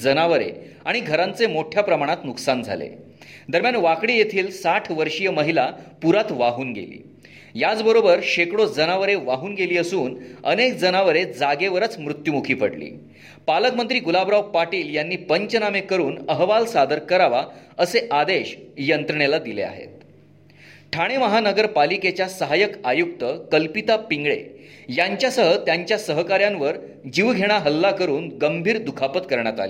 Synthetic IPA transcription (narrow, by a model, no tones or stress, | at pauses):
d͡zənaʋəɾḛ | aɽ̃iɡʱəɾãnt͡semoʈʰjapɾəmaɽ̃at̪nuksand͡zʱa̰lḛ | d̪əɾmjanʋakɽiːjet̪ʰiːlsaʈʰʋəɾʂijəməɦilapuɾat̪ʋaɦuːnɡḛlḭː | jad͡zbəɾobəɾɕekɽod͡zənaʋəɾeʋaɦuːnɡeliːəsuːnənek̚d͡zənaʋəɾed͡zaɡeʋəɾət͡smɾut̪jumukʰiːpəɽlḭː | paləkmənt̪ɾiːɡulabɾaʋpaʈiːljanːiːpəɲt͡ɕənamekəɾuːnəɦʋalsad̪əɾkəɾaʋaəseʔad̪eɕjənt̪ɾəɳelad̪ilḛa̰ɦḛt̪̚ | ʈʰaɽ̃eməɦanəɡəɾpaliket͡ɕjasəɦajəkajuk̚t̪əkəlpit̪apiŋɡɭḛjaɲt͡ɕjasəɦət̪jaɲt͡ɕjasəɦkaɾjãnʋəɾ | d͡ʑiʋɡʱeɽ̃aɦəlːakəɾuːnɡəmbʱiːɾd̪ukʰapət̪kəɾɳjat̪a̰liː